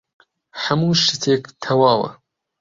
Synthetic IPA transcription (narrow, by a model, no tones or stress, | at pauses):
ħɐmuːʃɨt̪ʰeːkt̪ʰɐwaːwɐ̰